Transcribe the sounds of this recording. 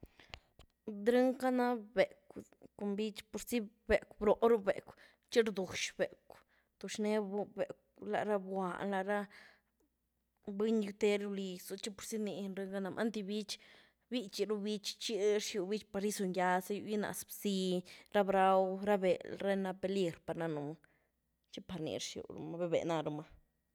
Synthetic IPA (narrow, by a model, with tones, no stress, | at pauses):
d̪ɾɨ˦ŋka˦na˦be˨kʷ | ku˨mbi˦t͡ʃpo˨ɾsi˦ | be˨kʷbɾo˨ʔɾu˦bḛ˨kʷ | t͡ʃi˦ɾd̪u˨ʃbe˨kʷ | t̪o˨ʂne˦˧be˨kla̰˨ɾa˦bwa˨nla˧ɾa˦ | bi˦ɲju˧t̪e˦ɾu˧li˧su˧t͡ʃi˦po˨ɾsi˦ni˧nɾe˧ŋɡa˦na˧mʔa̰˦nt̪i˧bi˦t͡ʃ | bi˦t͡ʃi˧ɾu˦bi˦t͡ʃt͡ʃi˦ɾʂju˧˨bi˦t͡ʃpa˧ɾi˦su˧ɲja˧sa˦ju˧ji˦na̰˨ʔsbsi˧ɾa˦bɾa˦wɾa˦be˨lɾe˦na˧pe˧li˧ɾpa˨˧ɾna˧nu˨ma˧ | t͡ʃi˦pa˧ɾnḭ˧ɾʂjṵ˨ɾṵ˧ma˧be˧bḛ˨na˧ɾu˧ma˧